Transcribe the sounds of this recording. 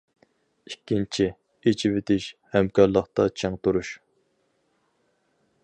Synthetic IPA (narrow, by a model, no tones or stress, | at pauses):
ikʲːint͡ʃʰi | et͡ʃʰivet̪ʰɪʃhɛmkɑɾlˠəχt̪ɑt͡ʃʰeŋt̪uɾuʃ